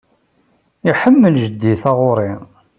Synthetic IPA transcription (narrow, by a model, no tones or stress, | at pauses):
iħəmːəlʒəd̪ːiθɑʁʊɾˤi